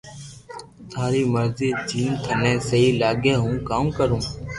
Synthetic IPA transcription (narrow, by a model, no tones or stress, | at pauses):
t̪ʰaːɾiːməɾziːd͡ʒiːnt̪ʰənɛ̃ːsəɦiːlaːɠeːɦũːkaːmkəɾũː